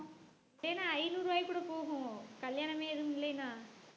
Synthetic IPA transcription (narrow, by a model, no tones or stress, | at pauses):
lɐjnaːɐɪnuːɾɯʋaːjkːuːɽɐpoːɣʊ̃kɐljaːɳɐmeːɛðɯmɪlːɐjnːaː